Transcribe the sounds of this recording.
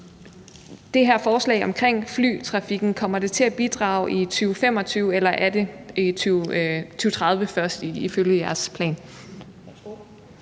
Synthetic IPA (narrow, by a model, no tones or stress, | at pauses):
d̥e̝ɦæɐ̰fɒːslɛ̰ɪɒ̽mkʰʁeŋ̰fly̰ːt͡sʰʁɑ̈fiɡ̥n̩kʰɒ̽m̰ɐd̥e̝t͡sʰe̝læb̥id̥ʁɑ̰̈ʊʔit͡sʰyːʊfem̰ɒ̽t͡sʰyːʊelɐʔæɐde̝it͡sʰyt͡sʰyːʊt͡sʰʁɑ̈ð̞ˠʋəfɶɐsd̥iiføljəjæɐspʰlɛ̰ːn